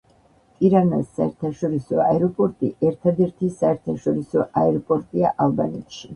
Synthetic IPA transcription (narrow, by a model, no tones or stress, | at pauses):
t̪ʼiɾanasːaɛɾt̪ʰaʃɔɾisɔaɛɾɔpʼɔɾt̪ʼiʔɛɾt̪ʰad̪ɛɾt̪ʰisaɛɾt̪ʰaʃɔɾisɔʔaɛɾɔpʼɔɾt̪ʼiaʔalˠbanɛt̪ʰʃi